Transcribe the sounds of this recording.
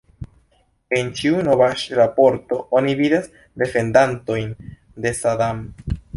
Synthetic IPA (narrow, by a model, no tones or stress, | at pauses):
e̞nt͡ʃiuno̞vaʃɾapo̞ɾto̞onividas | de̞fe̞ndanto̞jn | de̞sadam